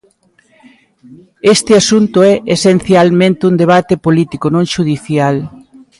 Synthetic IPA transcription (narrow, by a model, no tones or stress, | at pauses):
est̪ɪasunt̪ʊɛʔesenθjalmẽnt̪ɪund̪eβ̞at̪epolit̪ikonõŋʃuðiθjal